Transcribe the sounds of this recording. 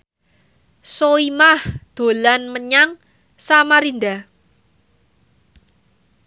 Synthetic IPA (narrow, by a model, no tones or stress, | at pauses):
soimahd̪̥o̤lanməɲaŋ | samaɾind̪a